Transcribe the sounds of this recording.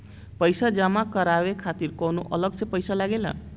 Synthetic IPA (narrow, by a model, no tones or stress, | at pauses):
pʌjsad͡zamakʌɾawekʰat̪iɾkʌwnuʔʌlʌɡt͡sʌpʌjsalaɡelʌ̰